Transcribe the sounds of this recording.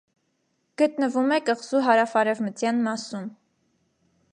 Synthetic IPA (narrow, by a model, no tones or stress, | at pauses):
ɡ̥ət̪nəvumɛkəʁz̥uɦɑɾɑfɑɾɛvmət͡sjɑnmɑsun